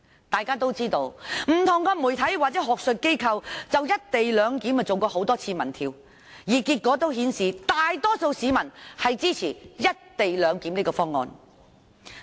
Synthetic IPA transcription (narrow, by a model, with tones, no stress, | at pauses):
t̪aː˨jkaː˥t̪o˥wt͡siː˥t̪o˧wm̩˨˩t̪ʰʊ˨˩ŋkɐː˧mu˨˩jt̪ʰɐ˨˥jwaː˨t̚t͡sɛ˨˥ɦɔː˨k̚sɵ˨˧t̚ke˥jkʰɐ˧wt͡sɐ˨wjɐ˥t̚t̪e˨jlœː˨˧ŋkiː˨˥mɐ˨t͡so˨wkɔː˧ho˨˥wt̪ɔː˥t͡sʰiː˧mɐ˨˩nt̪ʰiː˧w | jiː˨˩kiː˧t̚kːɔː˨˥t̪o˥whiː˨˥nsiː˨t̪aː˨jt̪ɔː˥so˧wsiː˨˧˥mɐ˨˩nhɐ˨jt͡siː˥t͡sʰiː˨˩jɐ˥t̚t̪e˨jlœː˨˧ŋkiː˨˥mniː˥kɔː˧fɔː˥ŋːɔ̰ː˨˧n